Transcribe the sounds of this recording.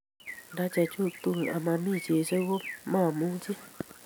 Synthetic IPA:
da˦t͡ʃɛ˧t͡ʃu˦˨t̪u˧˨a̰˨mã˧˦mĩ˦˨t͡ʃe˧ʃe˦wo˦mã˦˨mũ˨˦t͡ʃi˦

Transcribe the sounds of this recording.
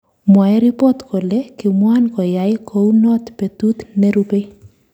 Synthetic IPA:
mwa˨ɛ˦ɾipɔ˦t̪kʰo˨le˦kɪ˨mwankɔ˨ja˨ɪkʰo˨wnɔ˦t̪pe˨t̪u˦t̪ne˦ɾupe˦

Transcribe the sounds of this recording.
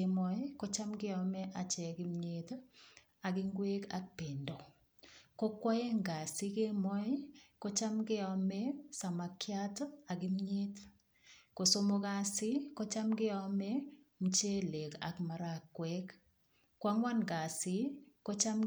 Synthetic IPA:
emɔ˦ɪko˦t͡ʃa˦mɡɪ˦ɔ˦mɛ˦ʔa˨t͡ʃɛ˨kɪ˦mɲet | a˨ɡɪ˦ŋɡwe˦ka̰˦k̚pe˨ndo˨ | ko˦kwa˦e˦ŋɡa˨si˦ke˦mɔ˦ɪ˦ko˦t͡ʃa˦mɡɪ˦ɔmɛ˦sa˨ma˨kja˦ta˨ɡɪ˦mɲe˦t | ko˨so˦mo˦ka˦sɪ˦ko˦t͡ʃa˦mɡɪ˦ɔ˦mɛ˦ | m̩˨t͡ʃe˦le˨ka̰˨kma˨ɾakːwɛk | kːwa˦ŋwa˦nɡa˨sɪ˦ko˦t͡ʃa˦m

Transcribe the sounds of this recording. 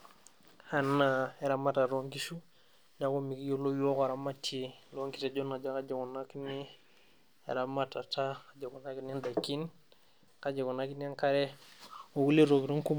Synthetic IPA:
hanːae˨ɾama˦ta˨ɾo˦ŋkisu˦ | na˨komi˨kjo˦lo˦jo˦ka˨ɾa˨matʰilo˦ŋki˦sa˨d͡ʒo˦na˨d͡ʒa˦kad͡ʒa˨kunakni | ḛ˨ɾamata˨ta˦kad͡ʒa˨ko˨na˦kne˦nda˨kːi˦n | ka˦d͡ʒa˨ko˨na˦kna˦ŋkaɾe˦o˨wu˦li˦ɾo˨ki˨ɾu˦ŋku˦

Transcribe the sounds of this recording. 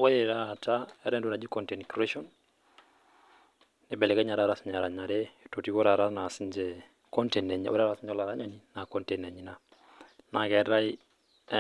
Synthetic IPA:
wɔ˦jɛ˨ɾa˦˨ta˦ɛ˦ɾɛ˦ndu˦ɾa˨d͡ʒi˦kɔ˨ntɛ˨nkɾɛ˦ʃɔ˦n | ɪ˦bɛ˨lɛ˨kɛ˦ɲa˨ɾa˦ɾa˨si˦ɲa˨ɾa˨ɲa˨ɾɛ˦i˨to˨ti˦wɔ˦ɾa˨ɾa˦na˨si˦nd͡ʒɛ˦ | kɔ˦ntɛ˨nɛ˨ɲ˨˦ɔ̰˦ɾa˦ɾa˨si˦ɲd͡ʒɔ˦la˨ɾa˦ɲa˨ni˦na˨kɔ˦ntɛ˨nɛ˨ɲi˦na˨ | na˨kɛ˨ɾa˦i˦

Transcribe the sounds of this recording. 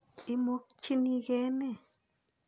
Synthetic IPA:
i˦mo˧˦k̚t͡ʃi˦ni˧ɡe˦ne˦˨

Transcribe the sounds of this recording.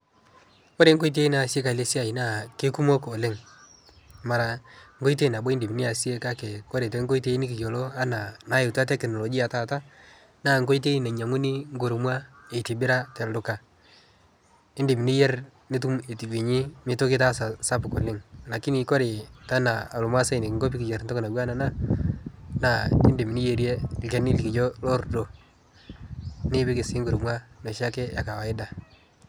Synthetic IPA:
ko˦ɾe˨˦ŋɡo˦i˦t̬e˦i˦na˨si˦e˦ka˨le˦si˦a˨i˨na˦˨ke˦ku˦mo˦ko˨lɪ˦ŋ | ma˨ɾa˨ŋɡo˦i˦t̬e˦na˨bo˦ɪ˦ndi˨m˨ni˦a˨si˦e˦ka˦ke˨ko˦ɾe˨te˨˦ŋ˦ɡo˦i˦t̬e˦i˦ni˦k̬i˨ko˨lo˦a˦na˨na˨˦ɪ˨twa˦t̬ɛ˦knɔ˨lɔ˨ɡi˦a˨ta˨ta˦ | naː˦˨ŋ˦ɡo˦i˦t̬e˦i˦na˨ɲa˨ŋu˦ni˦ŋ˦ɡo˨ɾmwa˦e˨ti˨bɪ˦ɾa˦tɛ˨ldʊ˨ka˨ | ɪ˦ndɪ˨mi˨ni˦je˦r | ni˦t̬u˦me˨ti˨ɡi˨ɲi˦mɪ˦to˦kɪ˦ta˦sa˨sa˦pʊ˨ko˨lɪ˦ŋla˨kːi˦ni˨ko˦ɾɪ˨ta˦na˨a˨lʊ˨mwa˦se˦˨nɪ˨kŋɡo˦p̬i˦ki˨d͡ʒɛ˨ɾnto˦kna˨ɡwa˦na˨na˦ | na˦˨ɪ˦ndɪ˨mi˨ni˦je˨ɾje˦lke˨ni˦li˨ki˨d͡ʒo˦lo˦ɾdo˨ | nɪ˦bɪ˦kɪ˨sɪ˦ŋɡʊ˨ɾmwa˦no˨ʃa˦kɛ˦ja˨ka˨wa˨ɪ˦da˨

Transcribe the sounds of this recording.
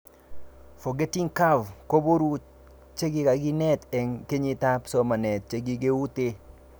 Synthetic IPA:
fo˨ɡe˦ti˦ŋka˦vko˦bo˦ɾu˦ | t͡ʃe˦ɡɪ˦ka˨ɡɪ˦nɛ˦t̪ɛ˨ŋke˦ɲi˦t̪a˦psɔ˦ma˨nɛ˨t̚t͡ʃe˦ɡɪ˦ɡe˦u˦t̪e˦

